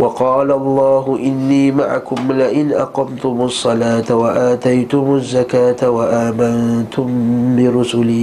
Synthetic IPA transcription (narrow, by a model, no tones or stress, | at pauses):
wɑqɑːlaʔɑlˤːɑːɦʊʔɪnːiːmaʕa̰kʊmlɪʔɪnʔɑ̰qɑmt̪ʊmɑsˤːɑlaːt̪awaʔaːt̪ajt̪ʊmazːakaːt̪awaʔaːmant̪ʊmbɪɾʊsʊliː